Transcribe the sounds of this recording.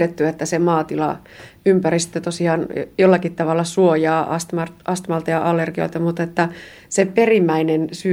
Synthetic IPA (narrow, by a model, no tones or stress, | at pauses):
tet̪ːyet̪ːæsemɑːt̪ilɑ̰ | ympærist̪øt̪osiɑːnjolːɑkit̪t̪ɑʋɑlːɑsuojɑːʔɑ̰st̪mɑrt̪ɑst̪mɑlt̪ɑjɑʔɑlːerɡ̥io̰lt̪ɑmut̪et̪ːæ | seperimːæinensy